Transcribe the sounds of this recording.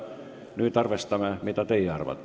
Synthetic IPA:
nyːt̪ɑrʋest̪ɑmæmit̪æt̪eijæɑrʋɑ̰t̪ː

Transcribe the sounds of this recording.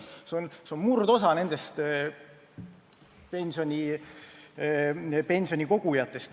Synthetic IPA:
seonseonmurd̪o̞sɑne̞nd̪̥e̞st̪ | pe̞nʲsio̞nʲi | pe̞nʲsio̞nʲiko̞ɡ̥ujɑt̪ːˑe̞st̪

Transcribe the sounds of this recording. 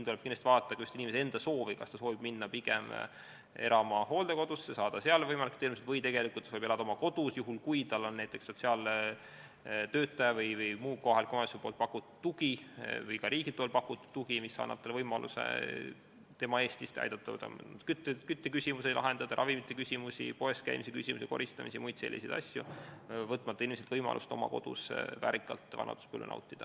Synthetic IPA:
int̪ulɛ̥kinest̪vɑːt̪ːˑɑkɑust̪inimesee̞nd̪̥ɑso̞ːvikɑ̰st̪ɑsoːvib̥minːɑpiɡ̥em | e̞ɾɑmɑho̞ːld̪eko̞d̪̥usːesɑːd̪̥ɑseɑlvɤjmɑlikt̪elmiset̪vɤjt̪e̞ɡe̞likˑult̪ːˑsolibelɑd̪ɑomɑko̞d̪̥usjuɦulkujt̪ɑlːonːæjt̪ːˑe̞ksːo̞t̪ʲsiɑl | t̪øːt̪ːˑɑjɑvɤjvɯjmuːko̞ɦɑlkomɑsʲolpo̞ːlt̪pɑkːˑut̪ːˑud̪ːuɡ̥ivɤjkɑɾʔiːɡ̥id̪ˑolpɑkːˑut̪ːˑu̥t̪ːuɡ̥imisːɑ̰ːnːɑ̰b̥t̪ːelvɤjmɑlʔṵsḛ | t̪e̞mɑe̞ːst̪ist̪ɑ̰jd̪̥ɑt̪ːɑv̰t̪ːɑ̰mkyt̪ːekyt̪ːekysʲimuselɑ̰ɦe̞nd̪̥ɑd̪̥ɑɾɑvimit̪ːˑekysʲimusʲḭpo̞e̞st̪̚kæ̰jmisekysʲimuseko̞̰ɾist̪ɑmisimujd̪̥se̞lːisejd̪ɑ̰sʲjṵvɤt̪ːˑmɑt̪ːɑinmiselt̪vɤjmɑ̰lʔṵst̪o̞̰mɑ̰ko̞̰d̪̥ṵsvæ̰ːɾikˑːɑ̰lt̪ˑvɑ̰nʔɑ̰t̪u̥spṵlʲːṵnɑ̰wt̪ːˑid̪̥ɑ

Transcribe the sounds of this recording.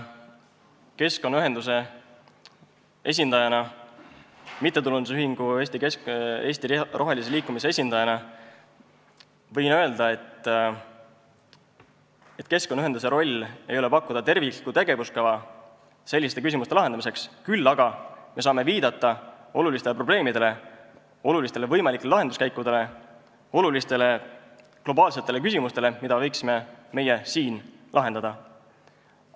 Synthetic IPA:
ke̞sko̞nːɑyɦe̞nd̪us̬e̞ | e̞s̬ʲind̪̥ɑjɑnɑ | mit̪ˑːe̞t̪ulund̪u̥syɦiŋɡ̥ue̞ːsʲt̪ikee̞ːsʲt̪irʔo̞ɦe̞lis̬e̞liːkːˑumis̬eesʲind̪ɑjɑnɑ | vɤjnøe̞ld̪̥ɑe̞t̪ːˑ | e̞t̪ːˑke̞skonːyɦenuse̞ɾo̞lʲːe̞jo̞le̞pɑkːˑud̪̥ɑt̪e̞rvii̥kut̪e̞ɡ̥e̞vuskɑvɑ | se̞lʲːist̪e̞kys̬ʲimust̪eɑɦed̪ɑmise̞kskylːɑɡ̥ɑme̞s̬ɑːme̞viːd̪ɑt̪ːˑɑo̞lulist̪e̞le̞pro̞b̥le̞ːmid̪̥e̞le̞ | o̞lulist̪ele̞vɤjmɑlikːˑelelɑɦe̞nd̪uskæjkːud̪e̞le̞ | o̞lulist̪e̞le̞ | klo̞bɑːlse̞t̪ːˑe̞le̞k̬ysimust̪e̞le̞mid̪ɑvɤ̞jksime̞me̞je̞siːnlʔɑɦe̞nd̪̥ɑd̪̥ɑ

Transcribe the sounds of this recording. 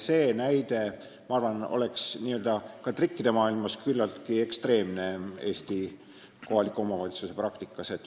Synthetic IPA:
se̞ːnæjd̪̥e̞ | mɑɑrvɑno̞̰le̞ksniːøld̪̥ɑkɑt̪rikːid̪̥e̞mɑːilmɑskylːɑlt̪kie̞kst̪re̞ːmne̞e̞ːst̪i | ko̞ɦhɑlikːˑuo̞mɑvɑlʲit̪suse̞prɑkt̪ikːˑɑse̞t̪

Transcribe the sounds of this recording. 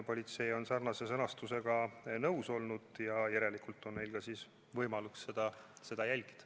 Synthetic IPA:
po̞lʲit̪se̞jo̞nsɑrnɑse̞sɤnɑst̪use̞ɡ̥ɑnɤwso̞lnud̪̥jɑjæɾe̞likult̪ːˑo̞nne̞jlkɑsis | vɤjmɑluksːe̞d̪̥ɑse̞d̪ɑjælʲɡ̥i̥d̪̥ɑ̥

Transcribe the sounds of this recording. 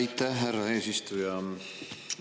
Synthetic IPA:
jt̪ːæhɦærːɑe̞ːsist̪ujɑ

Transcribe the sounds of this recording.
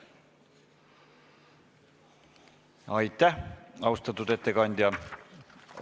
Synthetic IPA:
ɑjt̪ːæɑwst̪ɑt̪ːut̪et̪ːekɑnʲd̪ʲjɑ

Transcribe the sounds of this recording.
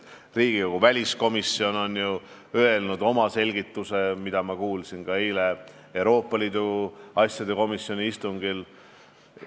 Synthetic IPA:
riːɡ̥ioɡ̥uvælʲisko̞misio̞no̞nju | øe̞lnud̪̥o̞mɑse̞lʲɡit̪ːˑuse̞mid̪̥ɑmɑkuːlsinɡ̥ɑejle̞ | ewɾo̞ːpːˑɑliːd̪̥uɑsʲjɑd̪̥e̞ko̞misjo̞nʲiist̪uŋɡil

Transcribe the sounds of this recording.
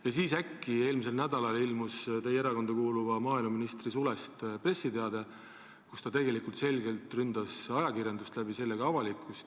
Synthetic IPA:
jɑsiːsækːie̞ːlmise̞lnæd̪̥ɑlɑlilmust̪ejeɾɑko̞nd̪ɑkuːluvɑmɑːilmɑminist̪risulest̪pre̞sːid̪e̞ɑd̪e | kust̪ɑt̪e̞ɡe̞likult̪se̞lʲɡ̥e̞lt̪ˑrynd̪̥ɑsɑjɑkirjɑnd̪ust̪læb̥ise̞lːe̞ɡ̥ɑɑvɑlikːˑust̪

